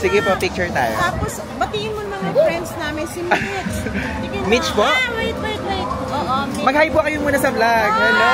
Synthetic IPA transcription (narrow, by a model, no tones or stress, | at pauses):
sɪɡɪpopɪk̚t͡ʃʊɹt̪a̰ːjot̪aːpos | bɐt̪iːʔɪnmonɐmɐŋɐɾɛnsnaːmɪnsɪmɪt͡ʃ | mit͡ʃpowajt̪̚ajt̪wajt̪̚ʔoʔomɐɡ̚hajpʊkɐjomuːnɐsɐblaɡ̚ɛlo